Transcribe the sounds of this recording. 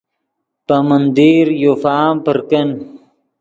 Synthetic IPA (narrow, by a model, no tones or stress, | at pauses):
pamənd̪iɾjofaːmpəɾkən